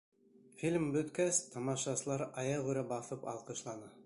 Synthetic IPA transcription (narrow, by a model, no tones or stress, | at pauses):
filmbɵ̆t̪kæst̪ɑmɑʃɑsɤ̆lˠɑɾɑjɑʁʉɾæbɑθɤpɑ̰lˠqɤ̆ʃlˠɑnɑ